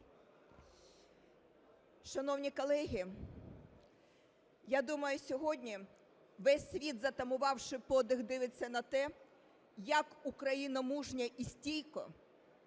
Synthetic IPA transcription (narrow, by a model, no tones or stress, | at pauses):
ʃɐnɔwnʲikɔlˠɛɦʲi | jad̪umɐjʊsʲɔɦɔdʲnʲi | ʋɛsʲːʋʲid̪zɐt̪ɐmʊʋɑwʃɪpɔd̪ɪɣd̪ɪʋɪt͡sʲːɐnɐt̪ɛ | jɐkukɾɐjinɐmuʒnʲɐʔisʲtʲijkɔ̰